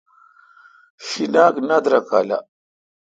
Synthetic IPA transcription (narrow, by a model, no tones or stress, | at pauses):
finaknadɾaka̰la̰